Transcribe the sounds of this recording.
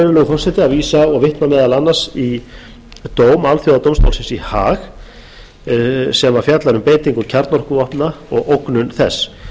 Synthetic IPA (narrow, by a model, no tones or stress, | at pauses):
vʏɾlɛɣʏfɔr̥sɛt̪ɪaðviːsaɔɣvɪht̪namɛːðalanːar̥si | t̪oːwmalθjowðat̪owmst̪o̰wlsɪnsihaːx | sɛmaɾfjat̪laɾʏmpeːjt̪iŋkʏɾcʰaɾt̪nɔr̥kʏɔhpnaɔɣowknʏnθɛ̰sː